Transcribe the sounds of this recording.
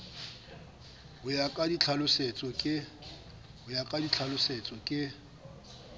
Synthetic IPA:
hʊjakʼadit͡ɬʰalʊset͡sʼɔkʼɪ | hʊjakʼadit͡ɬʰalʊset͡sʼɔkʼɪ

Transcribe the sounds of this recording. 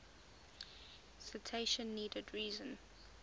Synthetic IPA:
sɪtʰeɪʃə̃nːiːdədɹiːzə̃n

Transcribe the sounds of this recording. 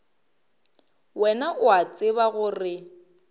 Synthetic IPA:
wɛnaʔʊat͡sʼɪβaɣʊrɪ

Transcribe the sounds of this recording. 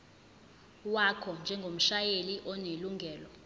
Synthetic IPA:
wakʰɔnd͡ʒʱɛŋɡʱom̩ʃajeliʔɔneluŋɡʱɛːlɔ

